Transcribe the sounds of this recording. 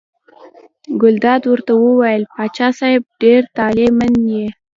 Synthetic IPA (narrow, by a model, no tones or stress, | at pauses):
ɡʊld̪ɑd̪wəɾt̪awəwajəlpɑt͡ʃɑsɑjɪb̚ɖeɾt̪ɑlemanje